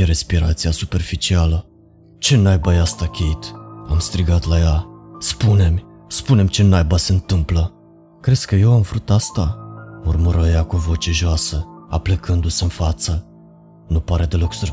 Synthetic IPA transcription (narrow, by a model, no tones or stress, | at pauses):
eɾe̞spiɾat̪sijasupe̞rfit͡ʃialə | t͡ʃe̞najbajast̪akʲʰeit̪amst̪ɾiɡat̪lajaspune̞m | spune̞mt͡ʃe̞najbəseɨnt̪ɨmplə | kɾe̞skəje̞wamvɾut̪ast̪aurmuɾəjakovo̞t͡ʃe̞ʒoasəa̰plekɨnd̪useɨnfat̪sə | nupaɾe̞d̪e̞lo̞ksər